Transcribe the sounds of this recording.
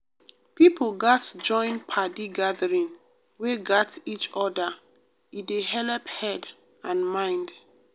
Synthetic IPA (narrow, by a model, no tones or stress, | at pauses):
pipolɡatd͡ʒɔ̃ɪ̃npʰadiɡaðəɹĩn | weɡatit͡ʃɔda | ideɦɛlɛphɛd | ãnmãɪ̃nd